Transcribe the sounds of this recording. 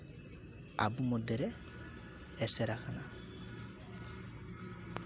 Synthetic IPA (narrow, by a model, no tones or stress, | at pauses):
a̰bumɔd̪ɛɾɛ | ɛsɛɾakana